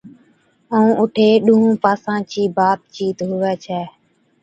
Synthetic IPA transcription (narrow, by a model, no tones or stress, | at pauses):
əũːʔʊʈʰeːɗʊːɦũːpaːsãːt͡ʃiːbaːt̪̚t͡ʃiːt̪ɦʊʋɛːt͡ʃʰɛː